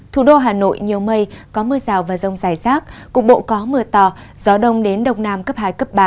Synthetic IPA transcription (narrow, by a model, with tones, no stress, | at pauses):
t̪ʰu˨˩ɗo˧ɦaː˨˩no̰˧˨jɲi˨˩əwmə˧jkɔ˨˦mɨ˧əzaː˨˩wvaː˨˩zə˧˩wŋ͡mzaː˧˩jsaː˦˥k̚ku˨˩ək̚ɓo̰˧˨kɔ˨˦mɨ˧ət̪ɔ˨˩ | z̥ɔ˨˦ɗə˧wŋ͡mɗe˨˦nɗə˧wŋ͡mnaː˧mkə˦˥p̚haː˧˩jkə˦˥p̚ɓaː˧˨˩